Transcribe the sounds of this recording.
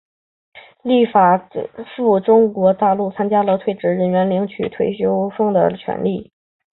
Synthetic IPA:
li˥˩fa˨˩fu˥˩ʈ͡ʂʊ˥ŋkwɔ˧˥t̪a˥˧lu˥˩t͡sʰa˥nt͡ɕja˥lə˨˧t̪ʰwe˥˩ɪʈ͡ʂɻ̩˧˥ɻə˧˥nɥɛ˧˥nli˧˥ŋt͡ɕʰy̰˨˩t̪ʰwe˥˩ɪɕjo˥ʊʂʊ˥˩ŋd̪ə̰˩t͡ɕʰɥɛ̰˧˥nli˥˩

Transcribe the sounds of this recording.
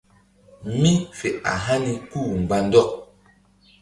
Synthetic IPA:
mi˦fe˨a̰˨ɦa˦ni˨kuː˦˨m̩˨ɡ͡ba˨n˦dɔ˦˨ʔ

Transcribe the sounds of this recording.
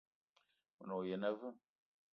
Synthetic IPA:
mə˨nɔ˨je˨na˦vɨ˦

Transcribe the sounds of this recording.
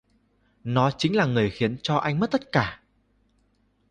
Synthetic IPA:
nɔ˨˦t͡ɕï̟˨˦laː˨˩ŋɨ˨˩əjxi˨˦ənt͡ɕɔ˧ʔa˧jŋmə˦˥t̚t̪ə˦˥t̚kaː˧˩

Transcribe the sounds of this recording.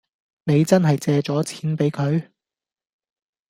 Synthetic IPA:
ne˨˧jt͡sɐ˥nɦɐ˨jt͡sɛː˧t͡ʃɔː˨˥t͡sʰiː˨˥npe˨˥jkʰɵ˨˧ɥ

